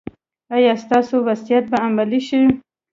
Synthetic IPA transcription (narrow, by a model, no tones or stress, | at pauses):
ajɑst̪ɑsowasijat̪̚baamaliʃi